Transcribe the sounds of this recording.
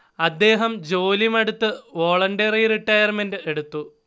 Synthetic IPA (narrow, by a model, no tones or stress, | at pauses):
ɐd̪ːe̞ːɦɐmd͡ʑoːlimɐɽut̪ːɨʋoːɭɐɳɖɐririʈːɐjɐrmenɖɨe̞ɽut̪ːu